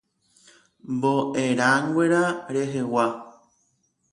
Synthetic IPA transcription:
mboʔeɾaŋɡʷeɾaɾeɦewa

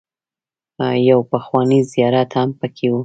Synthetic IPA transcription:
jawpəxwɑnizjɑɾat̪hampəkʰewu

